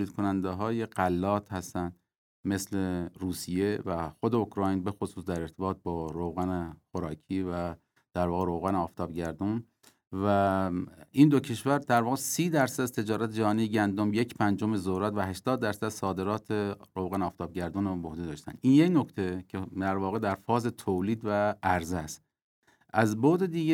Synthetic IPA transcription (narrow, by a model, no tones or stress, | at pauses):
oliːd̪̚kʰonænd̪eɦɒːje̞ɢælːɒːt̪ʰhæst̪ænd̪ | me̞sleɾuːsije̞væxod̪eokʰɾɒːjnbe̞xosuːsd̪æɾe̞ɾt̪ʰe̞bɒːt̪̚bɒːɾowɣænexoɾɒːkʰiːvæ | d̪̥æɾvɒːɣeɾo̞wɣænɒːft̪ʰɒːbɟæɾd̪un | væ | iːnd̪ocʰe̞ʃvæɾd̪̥æɾvɒːɣesiːd̪æɾsæd̪æzt̪ʰe̞d͡ʒɒːɾæt̪ʰed͡ʒæhɒːnijeɟænd̪omjecʰpʰænd͡ʒomezoɾæt̪væɦæʃt̪ɒːd̪ːæɾsæd̪sɒːd̪e̞ɾɒːt̪ʰeɾowɣænɒːft̪ɒːb̚ɟæɾd̪unbohd̪ed̪ɒːʃt̪æ̰nd̪injecno̞kʰt̪ʰe̞cʰed̪æɾvɒːɣe̞d̪æɾfɒːze̞t̪ʰoliːd̪vææɾzæst̪ | ʔæzboːd̪e̞d̪iːɡe